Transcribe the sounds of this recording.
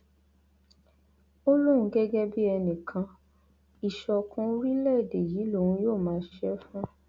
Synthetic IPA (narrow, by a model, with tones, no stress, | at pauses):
o˦lo˦ɾ̃ũ˨˦ɡɛ˦ɡɛ˦bi˦ɛ˧nĩ˨kʰã˧ | i˨ʃɔ˧kũ˧˦ɾi˦lɛ˦˨de˨ji˨˦lo˦˨wũ˧˦joː˦˨mãː˨˦ʃɛ˦fũ˦